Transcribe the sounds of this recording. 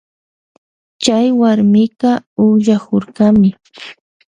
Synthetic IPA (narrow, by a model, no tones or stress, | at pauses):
t͡ʃajwaɾmɪkɑʊχʎakoɾɢamɪ